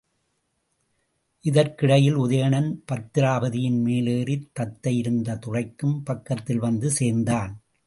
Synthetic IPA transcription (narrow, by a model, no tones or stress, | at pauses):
ʔɪðɐɾkɪɽɐjɪlʊðɐjɐɳɐnpɐt̪ːɪɾaːbɐðɪjɪnmeːleːrɪt̪ːɐt̪ːɐjɪɾɯnd̪ɐt̪ʊrɐɪkːɯmpɐkːɐt̪ːɪlʋɐnd̪ɯseːɾnd̪aːn